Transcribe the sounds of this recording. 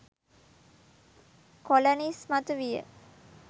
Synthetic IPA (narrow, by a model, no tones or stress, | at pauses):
kolonismat̪əʋijə̰